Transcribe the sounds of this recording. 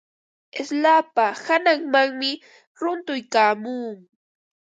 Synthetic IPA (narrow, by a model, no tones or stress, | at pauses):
eslaːpahanaŋmaŋmɪ | ɾʊnt̪ʊjkaːmuːŋ